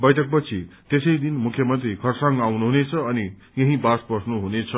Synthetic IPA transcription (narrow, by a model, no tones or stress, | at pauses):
bʌjʈʰʌk̚pʌt͡sʰit̪esʌjd̪inmukʰjʌmʌnt̪rikʰʌrsʌŋɡawnuɦunet͡sʰʌːni | jʌɦĩbasbʌsnuɦunet͡sʰʌ